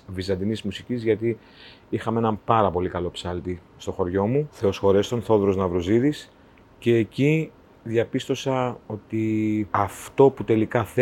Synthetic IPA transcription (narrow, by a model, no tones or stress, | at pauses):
vizɐnd̪inizmusicizʝɐt̪i | ixɐmeenɐpɐɾɐpo̞likɐlo̞psɐlt̪i | st̪o̞xo̞ɾʝo̞muθe̞o̞sxo̞ɾe̞st̪o̞nθo̞ðɾo̞znɐvɾoziðis | ce̞ːci | ðjɐpist̪o̞sɐo̞t̪iɐft̪o̞put̪e̞likɐθ